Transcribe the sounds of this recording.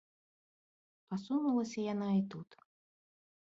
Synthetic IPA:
pasunulˠɐsʲɐjanait̪ut̪

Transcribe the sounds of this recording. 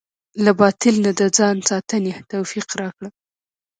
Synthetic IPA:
labɑt̪ɪlnad̪əd͡zɑnsɑt̪ənet̪owfiqɾɑkɽə

